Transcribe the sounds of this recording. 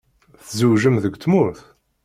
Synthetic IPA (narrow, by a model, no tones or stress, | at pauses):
θzuwʒəmðəɡʷt̪muθ